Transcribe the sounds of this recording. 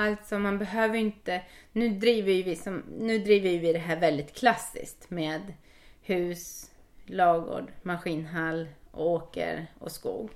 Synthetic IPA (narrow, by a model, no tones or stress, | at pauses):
alt̪sɔmanbɛɦøːvəɾɪnt̪ənʉ̟ːd̪ɾiːvəjɵvɪsɔmnʉ̟ːd̪ɾiːvəɾjɵvɪd̪ɛɦæːɾvɛld̪ɪt̪kʰlasːɪ̰skt̪meːd̪ | hʉ̟ːs | lɑːɡo̰ːɖmaɧiːnɦalːʔɔ̰oːkə̰ɾɔ̰skṵːɡ